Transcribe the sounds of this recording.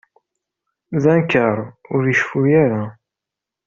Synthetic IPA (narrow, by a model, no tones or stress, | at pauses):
ðænkəɾˤʊɾəʃfujaɾa